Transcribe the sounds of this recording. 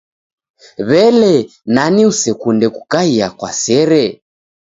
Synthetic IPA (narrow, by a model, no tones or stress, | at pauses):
βɛlɛ | naniusɛkundɛku̥kaiakwa̰sɛɾɛ